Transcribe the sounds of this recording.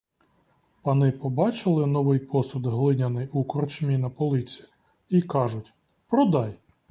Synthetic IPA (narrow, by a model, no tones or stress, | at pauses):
pɐnɪpɔbɑt͡ʃɪlˠɪnɔʋɪjpɔsʊd̪ɦlˠɪnʲɐnɪjukɔrt͡ʃmʲinɐpɔlˠɪt͡sʲi | ikɑʒʊtʲ | pɾɔd̪ɑj